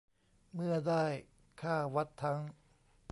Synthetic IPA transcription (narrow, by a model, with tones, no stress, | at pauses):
mɯ˥˩ɐdaː˥˩j | kʰaː˥˩wa˦˥t̪ʰːa˦˥ŋ